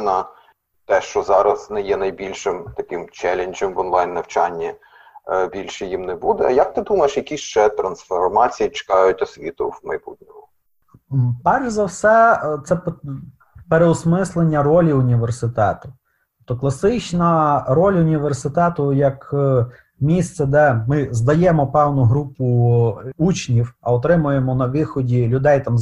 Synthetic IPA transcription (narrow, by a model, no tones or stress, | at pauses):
nɐ | t̪ɛʃt͡ʃɔzɑɾɐznɛjɛnɐjbʲilʲʃɪmt̪ɐkɪmt͡ʃɛlʲenʲd͡ʒɐmʋɔnlˠɑjnːɐwt͡ʃɑnʲːi | bʲilʲʃɛjimnɛbud̪ɛjɐk̚t̪ɪd̪umɐjeʃjɐkʲist͡ʃɛt̪ɾɐnsfɔrmɑt͡sʲijit͡ʃe̥kɑjʊtʲɐsʲʋʲit̪ʊ̰wmɐjbṵt̪ʲnʲɪʊ | pɛrʒzɐwsɛt̪sɛp | peɾeɔsmɪslˠenʲːɐɾɔlʲiʊnʲiʋersɪt̪ɛt̪ʊ̥t | ɔp̚t̪ɔklˠɐsɪt͡ʃnɐɾɔlʲʊnʲiʋersɪt̪ɛt̪ʊjɐk | mʲist̪sɛd̪ɛmɪzd̪ɐjɛmɔpɛwnʊɦɾupʊ | ut͡ʃnʲiwɐɔt̪ɾɪmʊjemɔnɐʋɪxɔdʲilʲʊd̪ɛjt̪ɑm